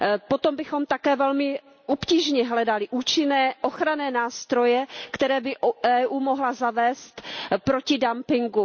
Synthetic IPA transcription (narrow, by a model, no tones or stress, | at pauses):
pot̪ombɪxo̞mt̪akɛːvɛlmɪ | ʔopciːʒɲɛɦlɛdalɪʔuːt͡ʃɪnɛːʔoxɾanɛːnaːst̪ɾo̞jɛkt̪ɛɾɛːbɪʔɛːʔuːmoɦlazavɛːst̪pɾo̞cɪdampɪŋɡu